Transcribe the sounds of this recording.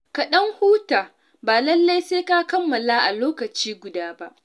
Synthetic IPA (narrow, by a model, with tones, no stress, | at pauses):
kɐ˨ɗɐ˦ŋhuː˦taː˨ | baː˨lɐ˦lːa˦jseː˦ka˦kɐ˦mːɐ˨laː˦ʔa˨loː˦kɐ˨t͡ʃiː˦ɡʷʊ˨daː˦ba˦ʔ